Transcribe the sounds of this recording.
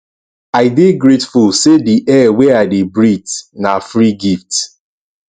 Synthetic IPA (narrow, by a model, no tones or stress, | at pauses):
aɪbeɡɾetfulsediʔɛweaɪdebɾitnafɾiɡift